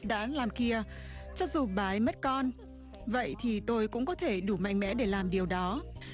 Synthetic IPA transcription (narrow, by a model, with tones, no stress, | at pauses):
ɗa̰ː˧˥laː˨˩mki˧ə | t͡ɕɔ˧zu˨˩ɓaː˨˦jmə˦˥t̚kɔ˧n | və̰˧˨jt̪ʰi˨˩t̪o˧jkʊ̰˧˥ŋ͡mkɔ˨˦t̪ʰe˧˩ɗu˧˩ma̰˧˨ŋ̟mɛ̰˧˥ɗe˧˩laː˨˩mɗi˨˩əwɗɔ˨˦